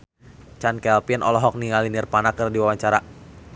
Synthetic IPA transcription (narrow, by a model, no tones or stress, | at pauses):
t͡ʃankɛlpinɔ̰lɔɦɔk̚niŋalinirpanakərdiwawaɲt͡ʃaɾa